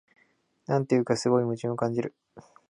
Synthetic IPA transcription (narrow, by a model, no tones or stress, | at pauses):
nãnt̪ejɯ̟kasɨɡo̞imɯ̟t͡ɕiɨ̃okãɲ̟d͡ʑiɾɯ̟